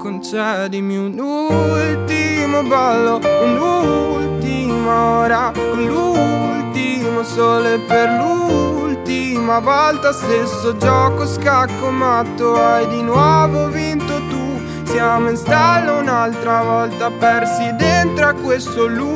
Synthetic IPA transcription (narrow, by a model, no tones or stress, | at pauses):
kont͡ʃɛd̪imiunult̪imobalːounult̪imaoːɾalult̪imosɔːleperlult̪imavɔlt̪ast̪esːod͡ʒɔːkoskakːomat̪ːoajd̪inwɔvovint̪ot̪u | sjaːmoinst̪alːounalt̪ɾavɔlt̪apɛrsid̪ent̪ɾoakːwest̪olu